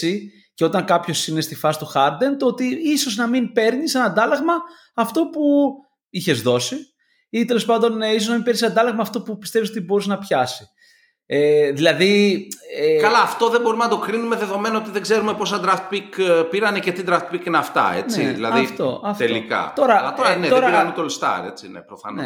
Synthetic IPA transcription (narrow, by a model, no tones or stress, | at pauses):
i | ceo̞t̪ɐŋkɐpço̞sine̞st̪ifɐsi̥t̪uxɐɾd̪e̞nt̪oot̪iiso̞znɐmimpe̞ɾnisenɐnd̪ɐlɐɣmɐː | ft̪o̞pu | içe̞zðo̞si | it̪e̞lo̞spɐnd̪o̞nisoznɐmimpenisɐnd̪ɐlɐɣmɐːft̪o̞pupist̪evis̬o̞t̪ibo̞ɾiznɐpçɐsi̥ | eðilɐði | ekɐlɐːft̪o̞ðembo̞ɾimnɐd̪o̞kɾinumeðe̞ðo̞me̞nɐo̞t̪iðeɡze̞ɾume̞po̞sɐd̪ɾɐft̪̚pikpiɾɐnecet̪id̪ɾɐft̪̚pikineɐft̪ɐ̰ḛnt͡sḭððḭlɐ̰ðift̪oʔɐft̪ellikɐ̰t̪o̞ɾɐlɐoɐnet̪oɾɐiɾɐnet̪olst̪ɐ̰ɾe̞̰t͡sinḛpɾofɐ̰nne